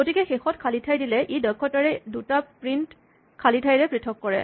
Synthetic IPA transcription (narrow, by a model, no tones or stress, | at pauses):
ɡotikɛxexɔtkʰalitʰajdilɛʔedɔkʰːɔtaɹɛdutapɹint | kʰalitʰajɹɛpɹitʰɔkːɔɹɛ̰